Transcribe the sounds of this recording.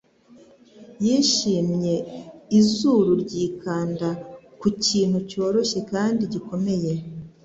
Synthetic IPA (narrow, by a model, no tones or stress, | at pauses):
jiːʃiːmɲe̞izuɾuɾɟiːkaːnda | kuciːn̥huco̞ːɾo̞ʃe̞kaːndiɟiko̞me̞je̞